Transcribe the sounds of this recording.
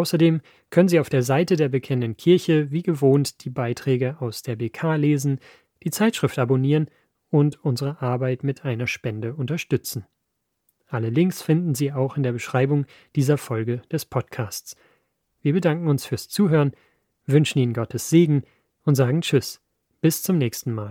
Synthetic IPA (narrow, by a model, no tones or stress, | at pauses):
ʔaʊsɐdeːm | kʰœnənziːaʊfd̥eːɐzaɪtədeːɐbəkʰɛnənənkʰɪɐçəviːɡəvoːntd̥iːbaɪtʁ̥ɛːɡəaʊsd̥eːɐbeːkʰaːleːzn̩ | d̥iːt͡saɪtʃʁ̥ɪftʔaboniːʁən | ʔʊntʊnzəʁəʔaɐbaɪtmɪtʰʔaɪnɐʃpɛndəʊntɐʃtʏt͡sn̩ | ʔaləlɪŋksfɪndn̩ziːaʊxɪndeːɐbəʃʁ̥aɪbʊŋ | d̥iːzɐfɔlɡəd̥ɛspʰɔtkʰaːst͡s | viːɐbədaŋkŋ̩ʊnsfyːɐst͡suːɦøːʁən | vʏnʃn̩iːnənɡɔtʰəsz̥eːɡŋ̩ | ʔʊntz̥aːɡŋ̩t͡ʃʏs | b̥ɪst͡sʊmnɛːçstn̩maːl